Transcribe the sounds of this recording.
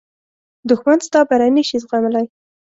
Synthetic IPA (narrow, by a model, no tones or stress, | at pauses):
d̪ʊxmanst̪ɑbaɾajniʃizɣamalaj